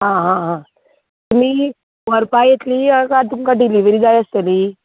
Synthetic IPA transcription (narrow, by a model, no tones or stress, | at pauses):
ɦãɦãɦã | t̪umi | ʋəɾpajet̪liakat̪uŋkəʈiliʋiɾid͡zajəst̪əli